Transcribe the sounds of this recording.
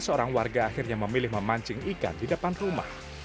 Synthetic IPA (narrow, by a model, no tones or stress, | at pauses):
səoɾaŋwarɡaːxɪrɲaməmilɪhməmaɲd͡ʒɪŋiɡa̰ndidəpanruma̰h